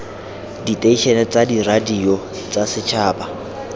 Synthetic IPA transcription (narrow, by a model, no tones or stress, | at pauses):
ditʼeiʃɛnɛt͡sʼadiradiɔ | t͡sʼasɪt͡ʃʰaːba